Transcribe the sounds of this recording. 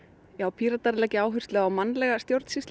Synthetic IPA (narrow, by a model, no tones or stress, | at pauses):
jaːwpʰiːɾat̪aɾlɛcɪaːwɦʏr̥t̪lɛɣawmanːlɛɣast̪jowɾt̪sist̪